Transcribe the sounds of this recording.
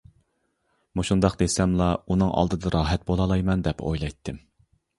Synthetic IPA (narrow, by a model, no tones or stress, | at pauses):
muʃund̪ɑqd̪esɛmlˠɑunɨŋʔɑ̰lˠd̪ɨd̪ɑɾɑːɦɛt̪̚bolˠɑlˠɑjmɑnd̪ɛpʰo̰jlˠɑjt̪ʰːɨm